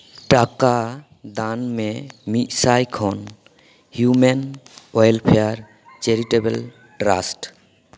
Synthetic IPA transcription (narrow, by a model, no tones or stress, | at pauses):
ʈaka | d̪anmɛmit̪sajkʰɔn | hjumenɔjlpʰejaɾ | t͡ʃeɾiʈebɛl | ɖɾa̰sʈ